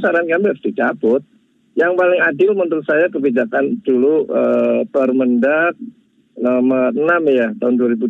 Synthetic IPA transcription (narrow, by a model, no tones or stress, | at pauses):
saɾankambɛfd̥it͡ʃabʊt̪̚ | jaŋpalɪŋadɪlmənt̪ʊnsajakəbid͡ʒakand̥uluət̪ɔrməndak̚ | namanamjat̪aɦʊnduaɾibu